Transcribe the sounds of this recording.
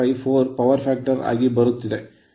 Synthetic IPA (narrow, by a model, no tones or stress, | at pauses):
ɐɪfoːɾpɐʋɐɾfaːk̚ʈɐɾa̰ːɡibɐɾɯt̪ːiðe